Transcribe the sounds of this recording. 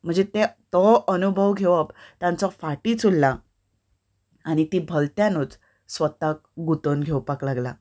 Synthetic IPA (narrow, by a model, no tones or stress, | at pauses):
m̤əɳd͡zet̪et̪ɔənubʱəʋɡʱeʋəpt̪ãnt͡sɔfaʈiːt͡sulːa | aɽ̃it̪iːbʱəlt̪jãnuːt͡s | sʋət̪ak̚ɡut̪ənɡʱewpaklaɡla̰